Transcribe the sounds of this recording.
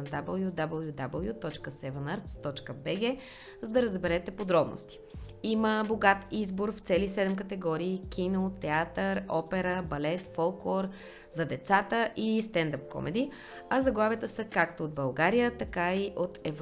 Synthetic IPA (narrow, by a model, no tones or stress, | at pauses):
d̪abəlˠjud̪abəlˠjud̪abəlˠjut̪ɔt͡ʃkəsɛvənəɾt̪st̪ɔt͡ʃkəbɛɡɛ | zɐd̪ɐɾəzbɛɾɛt̪ɛpod̪ɾɔbno̰st̪i̥iməboɡat̪izboɾft̪sɛlisɛd̪ɛmk̬ət̪ɛɡɔɾiːk̟ʰinot̪ɛat̪əɾɔpɛɾəbɐlɛt̪fɔlˠkɔɾ | zɐd̪ɛt̪sat̪əʔist̪ɛnd̪əp̚kɔ̰mʔɛ̰d̪i | ɐzɐɡlˠavət̪əsəkakt̪ood̪̚bɐlˠɡaɾijət̪ɐkaiʔot̪ɛv